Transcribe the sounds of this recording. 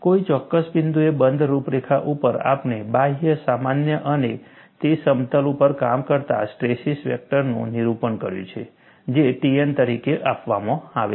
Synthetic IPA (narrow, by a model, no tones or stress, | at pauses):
koit͡ʃɔkːəsbind̪uebənd̪ʱɾupɾekʰaʔupəɾa̰pnebaɦjəsamanjəʔəne | t̪esəmt̪əlupəɾkamkəɾt̪a̰sʈɾesisʋɛ̰k̚ʈəɾnṵ̃niɾupənkəɾjṵ̃t͡ʃʰḛ | d͡ʒeʈient̪əɾikeʔapʋamãaʋḛ